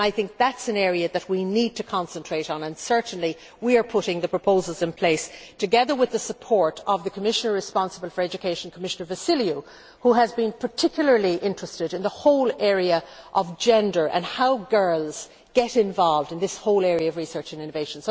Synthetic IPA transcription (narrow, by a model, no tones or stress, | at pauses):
aɪθɪ̃ŋk̚ðætsɨ̃nɛːɹiɨðɨt̚winid̚tʰɨkʰɑ̃nsə̃ntʰɹ̥eɪɾn̩ə̃nsɜ˞ʔn̩li | wiə˞pʰʊɾɪ̃ŋðɨpʰɹ̥əpʰoʊzəl̩ˠzɪ̃npʰl̥eɪstʰɨɡɛðə˞wɪðəsəpʰɔɹɾʌvðəkʰəmɪʃənə˞ɹɨspɑ̃nsəbəl̩ˠfə˞ɛd͡ʒɨkʰeɪʃə̃n̩kʰəmɪʃənə˞vɨsɪlju | huəzbɨ̃npʰə˞tʰɪkʰjl̩ˠə˞liʔɪ̃nt͡ʃɹ̥ɨstɪɾɨ̃nðəhoʊlˠɛɹiəʔʌvd͡ʒɛ̃ndə˞ʔə̰̃nhaʊɡɜ˞lˠz̥ | ɡ̥ɛɾɪ̃ɱvɑlˠvdɨ̃nðɪshoʊlˠɛɹiəʌvɹisɜ˞t͡ʃɨ̃nɪ̃ñəveɪʃə̃n̩s